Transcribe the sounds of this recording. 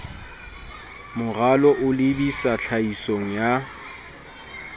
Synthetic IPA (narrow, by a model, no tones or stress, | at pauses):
mʊɣalɔʔʊlɪbisaɬʰaisoŋ̩ja